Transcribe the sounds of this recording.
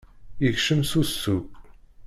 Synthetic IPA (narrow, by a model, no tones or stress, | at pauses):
jəçʃəmsusːu